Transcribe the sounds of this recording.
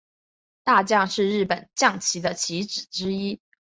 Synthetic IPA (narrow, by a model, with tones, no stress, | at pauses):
t̪a˥˧t͡ɕjɑ˥˧ŋʂɻ̩˥˧ɻɻ̩˥˩pə˨˩nt͡ɕjɑ˥˩ŋt͡ɕʰi˧˥d̪ə˧t͡ɕʰi˧˥ʈ͡ʂɻ̩˨˩ʈ͡ʂɻ̩˥i˥